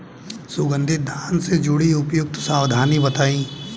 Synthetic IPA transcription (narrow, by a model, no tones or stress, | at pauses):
sʊɡə̃nd̪ʱɪd̪ʱaːnsed͡ʒʊɽiʊpjʊk̚t̪saːwd̪ʱaːnibɐt̪aːĩː